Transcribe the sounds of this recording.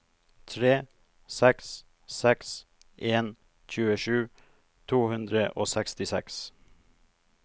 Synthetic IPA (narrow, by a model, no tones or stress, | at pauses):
t̪ʰɾeː | sɛks | sɛks | ʔeːn | c͡çʉːəʃʉː | t̪ʰuːhʉnd̪ɾəʔoːsɛkst̪ɪsɛ̰ks